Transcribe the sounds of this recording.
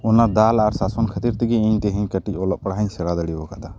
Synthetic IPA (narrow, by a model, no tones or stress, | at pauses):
ɔnad̪alaɾsasɔnkʰət̪iɾt̪iɡɛiɲt̪ɛɦɛ̃ɲkəʈicɔlɔʔpəɽaɦəɲsɛɽad̪əɽibɔkad̪a